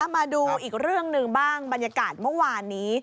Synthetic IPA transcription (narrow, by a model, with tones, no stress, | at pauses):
maː˧duː˧ʔiː˨˩k̚ɾɯ˥˩əŋnɯ˨˧ŋbaː˥˩ŋba˧njaː˧kaː˨˩t̪̚mɯ˥˩waː˧nːiː˦˥˦